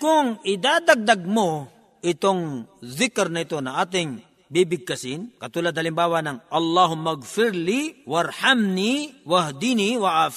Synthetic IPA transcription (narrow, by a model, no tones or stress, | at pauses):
kʊŋʔɪd̪aːd̪ɐɡ̚d̪ɐɡ̚mo | ʔɪt̪oŋðɪkɛɾnɐɪt̪o̞nɐŋʔaːt̪̬ɪŋ | bibɪɡ̚kɐsɪnkɐt̪uːlad̪̚hɐlɪmbaːwanɐŋʔɐlːaːɦʊmːɐɡfɪɾliwɐɾhamniwɐhd̪iːniwɐʔaf